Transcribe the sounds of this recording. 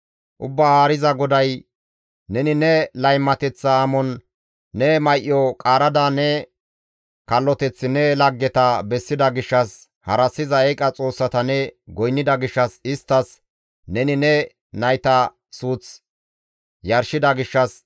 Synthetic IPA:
ʔʊbːaːhaːɾɪzɐɡɔd̪ɐj | nɛnɪnɛlɐjmːɐt̪ɛt͡sːɐːmɔnː | ɛmɐjʔjːɔkʼaːɾɐd̪anɛ | kɐlːɔt̪ɛt͡sːɪnɛlɐɡːɛt̪ɐbɛsːɪd̪ɐɡɪʃːɐs | hɐɾɐsːɪzɐɛkʼɐt͡sʼo̞ːsːɐt̪ɐnɛɡɔjnːɪd̪ɐɡɪʃːɐsɪst̪ːɐs | nɛnɪnɛ | nɐjt̪ɐ | suːt͡s | jɐɾʃɪd̪ɐɡɪʃːɐs

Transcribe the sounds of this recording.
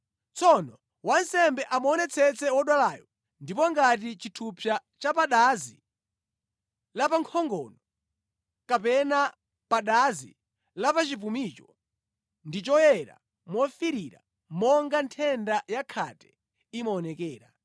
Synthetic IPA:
t͡sɔnɔ | wansɛmbɛʔamɔnɛt͡sʰɛt͡sɛwɔɗwalajɔ | ndip̬ɔŋɡat̬it͡ʃitʰupʰjat͡ʃapaɗazi | lapaŋkʰɔŋɡɔ̰ːnɔ | kapɛna | paɗazḭ | lapat͡ʃipumit͡ʃɔ | ndit͡ʃɔjɛɾa̰ | mwɔfiɾiɾa̰ | mɔŋɡantʰɛndajakʰatɛ̥ | imɔːnɛkɛːɾa

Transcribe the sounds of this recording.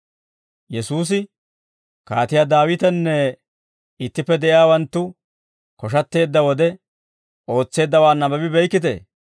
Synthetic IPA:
jɛsuːs̬ɪ | kaːt̪ɪjaːd̪aːwɪt̪ɛnːɛ | ɪt̪ːɪpːɛd̪ɛʔɪjaːwɐnt̪ːʊ | kɔʃ̬ɐt̪ːe̞ːd̪ːɐwɔd̪ɛ | o̞ːt͡sːe̞ːd̪ːɐwaːnːɐbɐbɪbɛjkːɪt̪ḛː

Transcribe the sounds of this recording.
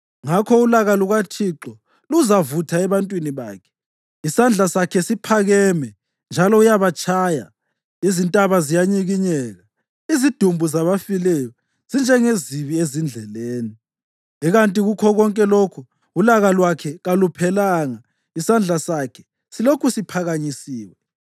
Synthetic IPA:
ŋakʰɔulaɣaluɣatʰiǁɔ | luzavutʰaɛβantʼwiniβa̰ːkʰɛ̥ | isand͡ɮʱasakʰɛsipʰaɣɛmɛ | nd͡ʒʱalɔujaβat͡ʃʰʼaːja̰ | izintʼaβazijaɲiɣiɲɛːɣa | izid̥ʱumbʱuzaβafilɛjɔ | z̥ind͡ʒʱɛŋeziβiezind͡ɮʱɛleːni | iɣantʼiɣukʰɔɣɔŋkʼɛlokʰu | ulaɣalwakʰɛɣalupʰɛlaːŋa | isand͡ɮʱasakʰɛ̥ | silokʰusipʰaɣaɲisiːwɛ

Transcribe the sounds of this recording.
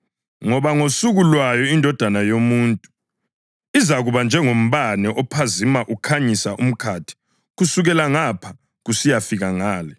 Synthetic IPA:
ŋɔβaŋosuɣulwajɔindʱɔd̥ʱanajomuːntʼu | izaɣuβand͡ʒʱɛŋom̩βanɛʔɔpʰazimaʔukʰaɲisaʔum̩kʰatʰi̥ | ɣusuɣɛlaŋapʰa | ɣusijafiɣaŋaːlɛ

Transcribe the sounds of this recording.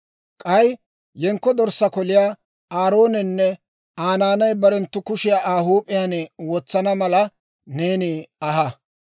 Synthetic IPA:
kʼɐj | jɛŋkːɔd̪ɔɾsːɐkɔlɪjaː | aːɾoːnɛnːɛ | aːnaːnɐjbɐɾɛnt̪ːʊkʊʃɪjaːʔaːɦuːpʼːɪjanwɔt͡sːɐnɐmɐlɐ | neːnɪɐɦɐ

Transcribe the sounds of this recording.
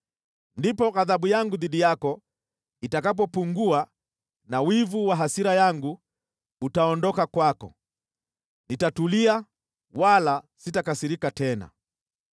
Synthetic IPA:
ndipɔɣaðaɓujaŋɡuðiɗijakɔ | itakap̬ɔpuŋɡua | nawivuwaɦasiɾajaŋɡu | utaɔndɔkakwakɔ̰ | nitatulia | walasitakasiɾikatɛna̰

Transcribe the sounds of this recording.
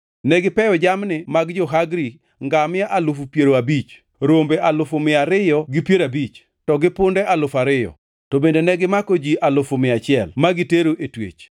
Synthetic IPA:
nɛɡɪpɛjɔd͡ʒamnɪmaɡd͡ʒɔɦaɡɾi | ŋɡamɪaʔalʊfupjeɾoabit͡ʃ | ɾombeʔalʊfʊmɪaɾɪjɔɡɪpjeɾabit͡ʃ | tɔɡɪpʊndɛʔalʊfaɾɪjɔ̰ | tɔbendonɛɡɪmakod͡ʒiʔalʊfʊmɪat͡ʃɪɛlmaɡɪteɾoʔetwḛt͡ʃ

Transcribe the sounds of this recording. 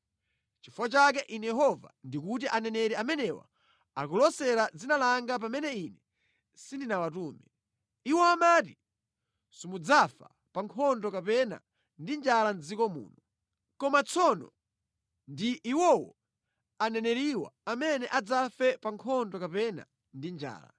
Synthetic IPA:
t͡ʃifuwat͡ʃak̬ɛʔinɛjɛɦɔva̰ndikut̬iʔanɛnɛɾɛamɛnɛwa̰ | akulɔsɛɾad͡zinalaŋɡap̬amɛnɛinɛ | sindinawatuːmɛ | iwɔamaːti | sumud͡zafa̰ | paŋkʰɔndɔkapɛna̰ | ndind͡ʒaland͡zikɔmṵːnɔ | kɔmat͡sʰɔnɔ̰ | ndiʔːwɔwɔ | anɛnɛɾiwa̰amɛnɛʔad͡zafɛpaŋkʰɔndɔkapɛna̰ | ndind͡ʒa̰ːla̰

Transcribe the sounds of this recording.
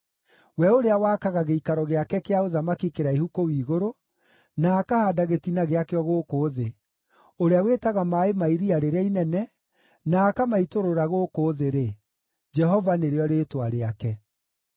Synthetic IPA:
wɛoɾeawaːkaɣaɣeikaɾɔɣeakɛkeaoðamakikeɾaihukowiːɣoɾo | naːkahadaɣetinaɣeakeɔɣoːkoːðe | oɾeaweːtaɣamaemaiɾiaɾeɾainɛnɛ | naːkamaitoɾoɾaɣoːkoːðeɾe | d͡ʒɛɦɔvaneɾeɔɾeːtwaɾeakɛ

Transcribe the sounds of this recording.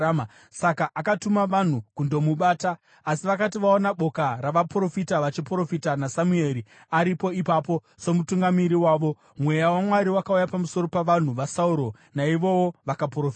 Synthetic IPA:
ma | sakaʔakatumaʋan̤ukundo̞muɓaːtaː | siʋakatiʋaonaɓo̞kaɾaʋapro̞fitaʋat͡ʃipro̞fitanasamue̞ɾi | aɾipo̞ipapo̞ | so̞mutuŋɡamiɾiwaːʋo̞ | mwe̞jawamwaɾiwakaujapamuso̞ɾo̞paʋan̤uʋasauɾo̞ | naiʋo̞woʋakaprofa

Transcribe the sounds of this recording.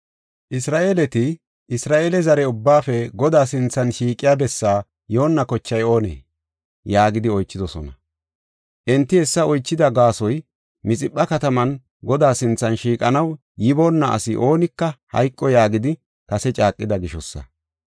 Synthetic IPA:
ʔɪsɾaːʔelɛt̪ɪ | ɪsɾaːʔeːlɛzɐɾɛʊbːaːfɛɡɔd̪aːsɪnt͡sːɐnʃiːkʼːɪjaːbɛsːaː | jo̞ːnːɐkɔt͡ʃːɐjo̞ːnḛː | jaːɡɪd̪ɪɔjt͡ʃːɪd̪ɔsɔnɐ | ʔɛnt̪ːɪɛsːɐɔjt͡ʃːɪd̪ɐɡaːsɔj | mɪt͡sʼɪpʼːɐkɐt̪ɐmɐn | ɡɔd̪aːsɪnt͡sːɐnʃiːkʼɐnɐw | jɪboːnːɐʔɐ̰sɪʔo̞ːnɪkːɐhɐ̰jkʼːɔjaːɡɪd̪ɪ | kɐsɛt͡ʃʼaːkʼːɪd̪ɐɡɪʃɔsːɐ̰

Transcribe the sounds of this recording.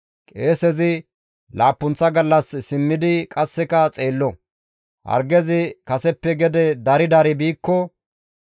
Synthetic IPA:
kʼeːsɛzɪ | laːpːʊnt͡sːɐɡɐlːɐssɪmːɪd̪ɪkʼɐsːɛkɐt͡sʼe̞ːlːɔ | hɐ̰ɾɡɛzɪkɐsɛpːɛɡɛd̪ɛd̪ɐɾɪd̪ɐɾɪbiːkːɔ

